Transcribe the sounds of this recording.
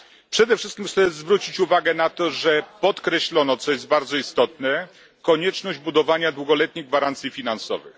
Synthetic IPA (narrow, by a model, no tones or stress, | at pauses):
pʂɛd̪ɛfʂɘst̪̚kʲimxt̪sɛzvɾut͡ɕit͡ɕuvaɡɛnat̪ɔʐɛpɔt̪kɾɛɕlɔnɔt̪sɔjɛzd̪baɾd̪zɔist̪ɔt̪nɛ | kɔɲɛt͡ʂnɔʑd͡ʑbud̪ɔvaɲad̪wuɡɔlɛt̪̚ɲiɣɡvaɾant̪sʲjifʲinansɔ̰vɘ̰x